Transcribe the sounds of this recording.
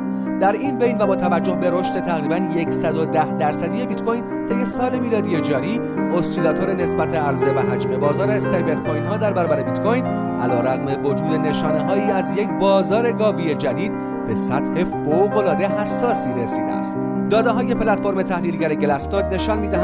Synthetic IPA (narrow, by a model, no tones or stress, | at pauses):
d̪̥æɾinbe̞jnvæbɒːt̪ʰævæd͡ʒːohbe̞ɾoʃt̪e̞t̪ʰæɣɾiːbænje̞cʰsæd̪o̞d̪æhd̪æɾsæd̪ije̞bit̪kʰojn | t̪ʰe̞je̞sɒːle̞miːlɒːd̪ije̞d͡ʒɒːɾiː | ost̪ilɒːt̪ʰo̞ɾene̞sbæt̪ʰe̞æɾze̞væɦæd͡ʒme̞bɒːzɒːɾest̪ejbe̞ɾkʰojnhɒːd̪æɾbæɾɒːbæɾe̞bit̪kʰo̞jn | ʔæ̰lɒːɾæɣme̞vo̞d͡ʒuːd̪e̞ne̞ʃɒːne̞ɦɒːiːæzje̞cʰbɒːzɒːɾe̞ɡɒːvije̞d͡ʒæd̪iːd̪̚ | be̞sæt̪he̞foɣo̞lɒːd̪e̞hæsːɒːsiːɾesiːd̪eæ̰st̪ | d̪ɒːd̪eɦɒːje̞pʰlæt̪fo̞ɾme̞t̪ʰæhliːlɟæɾeɟelæsnod̪ne̞ʃɒnmiːd̪æhæ